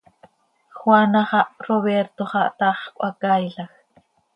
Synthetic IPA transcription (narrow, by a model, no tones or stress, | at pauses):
xwanaχɑʔroβeɾt̪oχɑʔt̪aχkʷʔakajɬax